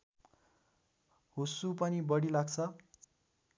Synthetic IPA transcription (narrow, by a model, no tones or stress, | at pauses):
ɦosupʌnibʌɽilaɡt͡sʰʌ